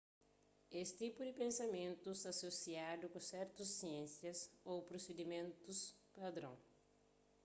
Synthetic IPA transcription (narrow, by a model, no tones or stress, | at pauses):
est̪ipʊd̪ɪpẽnsɐmẽnt̪usasosiad̪ʊkõsɛɾt̪ʊsːiẽnsjɐsowpɾosed̪imẽnt̪uspad̪ɾõ̰ŋ